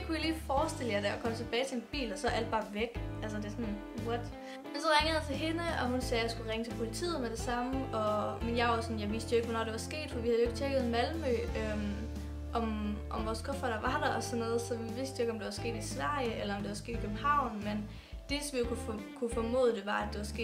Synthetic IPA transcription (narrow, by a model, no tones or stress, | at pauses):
d̥e̥kʰujaliːfɒːsd̥e̝ləjɑ̈ɪdæɒkʰɒ̽mət͡sʰe̝b̥ɛːɪt͡sʰe̝enb̥ḭːlɒ̽sɒʔæl̰d̥̚b̥ɑ̈ːʋeɡ̥ʔæls̬əd̥e̝sɔ̽n | wɒd̥ | mensɒ̽ʁaŋəð̩ˠjɑt͡sʰe̝ɦe̝nəɒ̽ɦunsɛːjɑ̈ɪsɡ̥uʁeŋət͡sʰe̝lpʰo̝lit͡sʰḭːð̩ˠmeɾ̥e̝sɑ̈məɒ̽menjɑ̈ɪʋɑsɒ̽njɑ̈ɪʋisd̥joeɡ̥ʋɒnɒ̰ːd̥e̝ʋɑ̈sɡ̥e̝̰ːd̥fɒ̽ʋihæðˠjoe̝ɡ̥t͡sʰeɡ̥əð̞̩ˠmælmø̰øm | ʔɒ̽mʔɒ̽mʋɒːskʰɔfɐɾ̥ɑʋɑ̈d̥ɐɒsɔnːɔ̽ːð̩ˠsɒ̽ʋiʋesd̥joe̝ɡ̥ɒ̽md̥e̝ʋɑ̈sɡ̥e̝̰ːd̥isʋæ̰əelɐɒ̽md̥e̝ʋɑ̈sɡ̥ḛːd̥ikʰøb̥̚m̩hɑ̈ʊ̰nmen | d̥e̝sɒmʋijokʰufkʰufɒmo̝̰ːð̩ˠd̥e̝ʋɑ̈æd̥e̝ʋɑ̈sɡ̥e̝̰̥ː